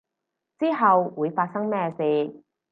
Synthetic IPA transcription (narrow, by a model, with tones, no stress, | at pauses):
t͡siː˥ɦɐ˨wwuː˨˧jfaː˧t̚sɐ˥ŋmɛː˥siː˧